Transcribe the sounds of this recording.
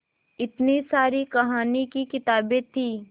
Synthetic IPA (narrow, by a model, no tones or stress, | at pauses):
ɪt̪nisaːɾikɐɦaːnikikɪt̪aːbẽt̪ʰiː